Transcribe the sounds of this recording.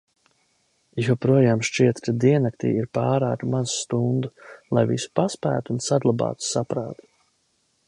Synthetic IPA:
jɔpɾuɔjaːmʃt͡ʃiɛt̪kad̪iɛnakt̪ḭːiɾpaːɾaːt̪manzst̪und̪ulˠajvḭsu̥paspæ̰ːt̪uːnsaɡlˠabɑ̰ːt̪u̥sapɾa̰ːt̪u̥

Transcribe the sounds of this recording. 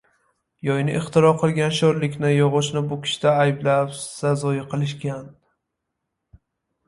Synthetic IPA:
jɒjnɪʔɪχt̪ɪɾɒqʰɨlˠɡʲanʃɒɾlɪkʲnɪjɒʁʊʃnɪbʊkʲʰɪ̥ʃɪ̥t̪aːjblapsazɒjɪqʰɨlˠɪʃkʲan

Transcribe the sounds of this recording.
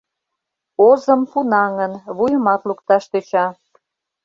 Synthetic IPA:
ozəmpunɑŋənβujəmɑt̪lukt̪ɑʃt̪øt͡ɕɑ

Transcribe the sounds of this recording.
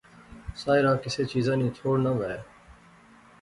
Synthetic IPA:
saːɪɾãːkɪseːt͡ʃiːzãːnĩːt̪ʰoːɽnəʋɛe

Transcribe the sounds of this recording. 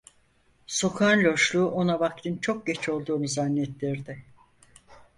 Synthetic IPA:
so̞kʰanlʲo̞ʃlˠuːʔo̞naβakt̪ɯnt͡ʃʰo̞k̚ɟet͡ʃʰo̞lˠd̪uːnuzanːɛt̪lʲiɾd̪ɪ

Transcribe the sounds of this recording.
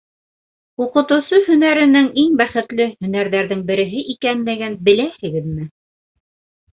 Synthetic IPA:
uqɤ̆t̪ɤ̆wsɤhɵ̆næɾɘ̆nɘŋiŋbæχɘ̆t̪lɘhɵ̆næɾðæɾðɘŋbɘ̆ɾɘ̆ɦɘʔikænmæɡænbɘ̆læhɘ̆ɡɘðmɘ

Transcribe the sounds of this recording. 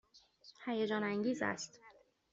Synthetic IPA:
hæjed͡ʒɒːnæŋɟiːzæ̰st̪

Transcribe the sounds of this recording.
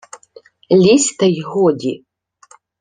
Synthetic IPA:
lʲisʲt̪ɐjɣɔdʲi

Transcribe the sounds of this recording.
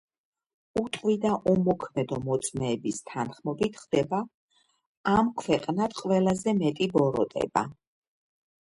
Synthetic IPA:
ut̪ʼqʼwid̪aʔumɔkʰmɛd̪ɔmɔt̪sʼmɛːbist̪ʰanχmɔbit̪ʰχd̪ɛbaː | mkʰwɛqʼnat̪qʼwvɛlˠazɛmɛt̪ʼibɔɾɔ̰t̪ʼɛ̰ba̰

